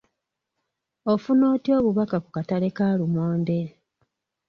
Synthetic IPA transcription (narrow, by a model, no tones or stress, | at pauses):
ofuno̞ːtio̞ːβuβakakukatale̞kaːlumoːnde